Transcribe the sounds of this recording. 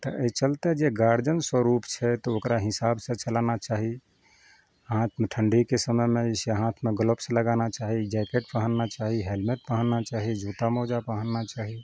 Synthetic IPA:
t̪ɔʔəit͡ʃəlt̪ed͡ʒeɡaɾd͡ʒənswəɾupt͡ʃʰɛt̪ɔokɾaɦisabsẽt͡ʃəlanat͡ʃaɦi | ɦãt̪ʰmeʈʰəɳɖikesəməmeisɦãt̪ʰmeɡələpsẽləɡanat͡ʃaɦid͡ʒɛkeʈpəɦənːat͡ʃaɦiɦelmeʈ̪̚pəɦənːat͡ʃaɦid͡ʒʱut̪amɔd͡ʒapəɦənːat͡ʃaɦi

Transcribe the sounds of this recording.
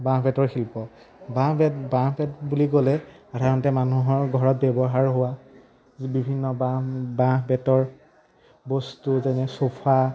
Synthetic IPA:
bãpɛtɔɹxilpɔ | bãbãbɛtbuliɡolɛ | atʰaɔntɛmanuɦɔɹɡʱɔɹɔt̚bɛbɔɦaɹɦʊwa | bibʱinːɔbabãbɛtɔɹ | bɔstuzɛnɛsopʰa

